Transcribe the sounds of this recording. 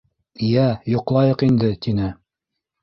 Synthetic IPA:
ijæjŏqlˠɑjɤqind̪ɘt̪inɘ

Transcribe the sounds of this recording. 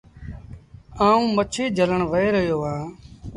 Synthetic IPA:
aːũːmət͡ʃʰeːd͡ʒʱələɳʋəeːɾəɦjoːãː

